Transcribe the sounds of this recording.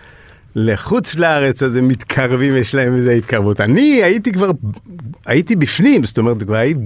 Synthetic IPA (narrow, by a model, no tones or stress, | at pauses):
leχut͡slaaʁet͡sazemit̪kʰaʁvimjeʃlae̞mezeit̪kaʁvutaniait̪ikvaʁ | ajit̪ibifnimzt̪o̞meʁet̪kvaʁajiti